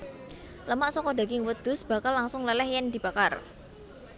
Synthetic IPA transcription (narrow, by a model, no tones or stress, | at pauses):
ləmaʔsɔkɔda̤ɡɪŋwəd̪̥ʊ̤sb̥a̤kalːaŋsʊŋlɛlɛhjɛnd̪i̤b̥akar